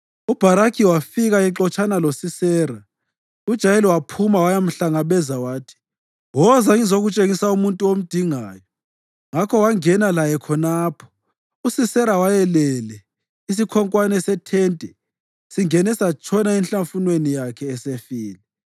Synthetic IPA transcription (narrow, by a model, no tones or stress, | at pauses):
ub̥ʱaɾakʰiwafiɣaɛǁɔt͡ʃʰʼanalosisɛːɾa | ud̥ʒ̥ʱajeliwapʰumawajam̩ɬaŋaβɛzawaːtʰi̥ | wɔzaŋizoɣut͡ʃʼeŋisaumuntʼuom̩d̥ʱiŋaːjɔ | ŋakʰɔwaŋɛnalajɛkʰɔnaːpʰɔ̥ | usisɛɾawajɛlɛlɛ | is̬ikʰɔŋkʼwanɛsɛtʰɛntʼɛ | siŋɛnɛsat͡ʃʰɔnaɛnɬaɱfunwenijakʰɛːsefiːlɛ